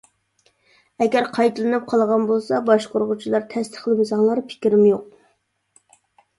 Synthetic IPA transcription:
ɛɡʲɛɾqʰɑjt̪ʰɨlˠɨnɨp̚qʰɑlˠʁɑnbolˠsɑbɑʃqʰoɾʁʊt͡ʃʰilˠɑɾt̪ʰɛst̪ʰə̥χlˠɨmɪzɑŋlˠɑɾpʰɪ̥kʲɪɾɪmjoq̚

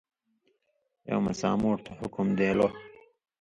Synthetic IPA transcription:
o̰wmɐsa̰ːmoːʈt̪ʰɐhʊkumd̪eːlo

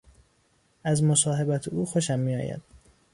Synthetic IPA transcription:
ʔæzmosɒːɦe̞bæt̪ʰeuːxoʃæmːiːɒ̰ːjæ̰d̪̥̚

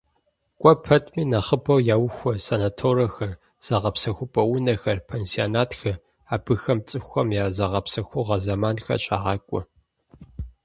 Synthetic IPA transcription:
kʷʼɔpʰɐtʼmiːnɐχəbʰɐwjaːwxʷɔsɐnatʰoːɾɐxɐr | z̥ɐʁɐpsɐxʷʊpʼɐwʊnɐxɐrpʰeːnsionaːtʰxɐ | aːbɨxɐmt͡sʼɨxʷɐmjaːzɐʁɐpsɐxʷʊʁɐzɐmaːnxɐ̰t͡ʃʼa̰ːʁɑːkʷʼʊ̰

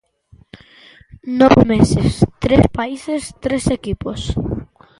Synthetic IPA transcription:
nɔβemesest̪ɾespaisest̪ɾesekipos

